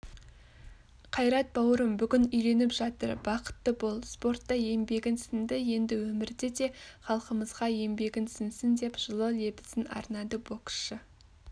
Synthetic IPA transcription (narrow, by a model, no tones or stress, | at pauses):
qʰɑjɾɑt̪̚bɑwəɾəmbʏɡʲɪnʏjle̞nɪpʒɑt̪ə̰ɾbɑqə̥t̪ːəbolˠspo̞ɾt̪ːɑje̞mbe̞ɡʲɪnsɪnd̪ɪje̞nd̪ɪwɵmɪɾd̪ed̪e̞χɑlˠqəməzʁɑje̞mbe̞ɡʲɪnsɪnsɪnd̪e̞pʒ̥əlˠəle̞bɪ̥sɪnɑ̰ɾnɑd̪əbo̞k̪ʃə